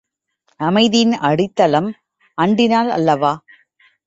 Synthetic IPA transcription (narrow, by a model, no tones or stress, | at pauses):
ɐmɐɪðɪjɪnɐɽɪt̪ːɐlɐm | ɐɳɖɪnaːlɐ̰lːɐʋaː